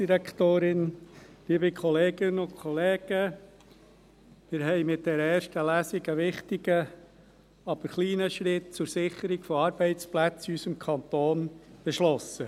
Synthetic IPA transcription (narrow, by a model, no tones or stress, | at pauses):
d̥iɾɛkt̪oːɾɪn | liːbəkʰɔleːɡɪnʊnkʰɔleːɡ̥ə | mɪɾɦɛɪmɪt̚d̥̪ɛɾəɛːɾʃtəlæːsɪɡəʋɪχtɪɡə | ɑb̥əɾχliːnəʃɾɪt̚t͡sʊɾsɪχːəɾiɡfɔɑːɾb̥ɛɪt͡splæt͡sysəmkʰɑnt̪oːnb̥eʃlɔsːə